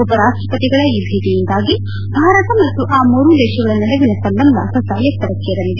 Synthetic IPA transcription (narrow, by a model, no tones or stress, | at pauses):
upɐɾaːʂʈɾɐpɐt̪iɡɐɭɐiːbʱiːt̪ijind̪aːɡi | bʱaːɾɐt̪ɐmɐt̪ːuʔaːmoːɾud̪ɛːʃɐɡɐɭɐnɐlɐʋinɐsɐmbɐnd̪ʱɐ̰sɐsaːljɐkt̪ːɐɾɐkːeɾɐlid̪e